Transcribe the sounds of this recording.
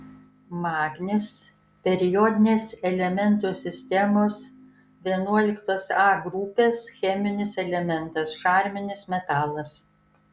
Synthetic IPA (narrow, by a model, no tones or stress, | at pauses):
mɑːɡnʲɪs | pʲɛɾʲɪjɔd̪ʲɪnʲeːsɛlʲɛmʲɛnt̪oːsʲɪsʲt̪ʲɛmoːs | ʋʲiɛnuɔlʲɪkt̪oːsɑːɡɾupʲeːsxʲɛmʲɪnʲɪsɛlʲɛmʲɛnt̪ɐsʃɑːɾʲmʲɪnʲɪsmʲɛt̪ɑːlˠɐs